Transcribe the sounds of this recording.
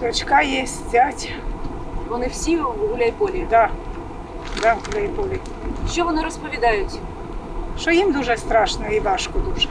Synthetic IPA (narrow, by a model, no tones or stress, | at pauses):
t̪ɔt͡ʃkajesʲtʲzʲatʲ | ʋɔnɪwsʲiɣulʲajpɔlʲid̪a | d̪aɣulʲajpɔlʲi | ʃt͡ʃɔʋɔnɪɾɔspɔʋʲid̪ajʊt͡sʲ | ʃɔjimd̪uʒɛst̪ɾaʃnɔiʋɑʃkɔd̪uʒɛ